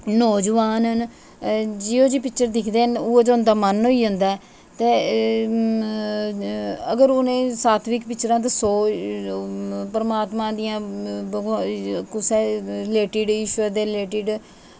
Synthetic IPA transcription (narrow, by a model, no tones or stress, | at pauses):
noːd͡ʒəʋaːnɦən | d͡ʒiːoːd͡ʒiːpɪkt͡ʃəɾd̪ɪkʰd̪eːɦənʊoːd͡ʒoʊ̃nd̪aːmənɦoːiːd͡ʒə̃nd̪aːɛː | t̪eː | əɡəɾonẽːsaːt̪ʰʋiːkpɪt͡ʃɾãːt̪̬esoː | pəɾəmaːt̪mãːd̪ɪjãːɡkʊsɛːleːʈiːɖɪːʃʋəɾd̪eːleːʈiːɖ